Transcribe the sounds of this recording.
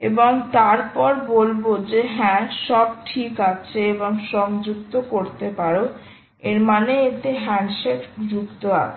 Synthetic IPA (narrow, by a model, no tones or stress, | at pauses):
ḛboŋt̪aɾpɔɾbolbod͡ʑeɦɛ̃ʃɔb̚ʈʰikat͡ɕʰeeboŋʃɔŋd͡ʑuk̚t̪okoɾt̪epaɾo | eɾmaneet̪eɦɛnʃekd͡ʑukt̪oa̰